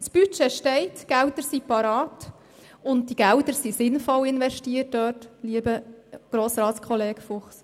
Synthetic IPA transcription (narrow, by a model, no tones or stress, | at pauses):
spyt͡ʃeʃtɛɪtɡ̥ɛltəɾsipɑɾɑːt | ʊnt̚diɡ̥æltəɾsisɪnfɔwɪnʋɛʃtiət̚dœːtliəbəɡ̥ɾoːsɾɑːtskʰɔleːɡ̥fʊχs